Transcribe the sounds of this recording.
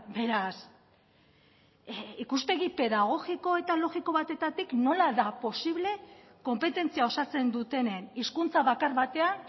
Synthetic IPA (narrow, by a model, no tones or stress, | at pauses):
be̞ɾas | ikuspe̞ɣipe̞ðaɣ̞o̞ɣiko̞e̞t̪alo̞ɣiko̞βat̪e̞t̪at̪ikno̞laðapo̞siβ̞le̞ | ko̞mpe̞t̪e̞nt͡siao̞sat͡se̞nd̪ut̪e̞neniskunt͡saβakaɾβat̪e̞an